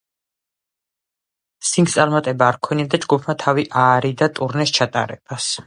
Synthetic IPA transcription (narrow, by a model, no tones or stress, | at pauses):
siŋkt̪sʼaɾmat̪ʼɛbaːɾkʰwɛniad̪ad͡ʒɡupʰmat̪ʰaviʔaːɾid̪at̪ʼuɾnɛst͡ʃʰat̪ʼa̰ɾɛ̰b̥as